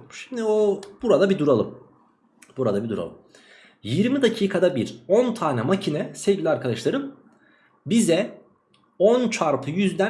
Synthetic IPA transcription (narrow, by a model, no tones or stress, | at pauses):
ʃi̥md̪iobuɾad̪abid̪uɾalˠɯm | b̥uɾa̰d̪abid̪uɾa̰lˠɯm | jiɾmid̪acʰiːkʰad̪abiɾont̪ʰaːnɛmacʰinɛsevɟilʲaɾkʰad̪aʃlˠaɾɯm | bizɛ | ont͡ʃʰaɾpʰɯjyzd̪æ